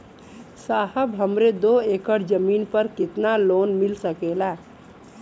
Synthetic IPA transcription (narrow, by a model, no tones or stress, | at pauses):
saːɦəbɦəmɾed̪oeːkəɾd͡ʒəmiːnpəɾkɪt̪naloːnmɪlsəkela